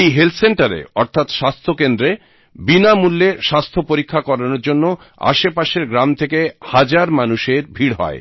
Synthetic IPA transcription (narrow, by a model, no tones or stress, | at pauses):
ejɦelt̪ʰseɳʈaɾḛɔɾt̪ʰat̪ʃast̪ʰokend̪ɾe | binamulːeɾʃast̪ʰopoɾikʰːakɔɾanoɾd͡ʑonːo | a̰ʃepaʃeɾɡɾamt̪ʰekehad͡ʑaɾmanuʃeɾbʱiɽɦɔ̰e